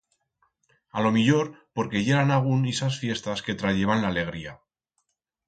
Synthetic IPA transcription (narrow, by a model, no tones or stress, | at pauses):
alo̞miʎo̞ɾpo̞ɾke̞ʝe̞ɾanaɣ̞unisasfje̞st̪aske̞t̪ɾaʝe̞βanlaːle̞ɣ̞ɾia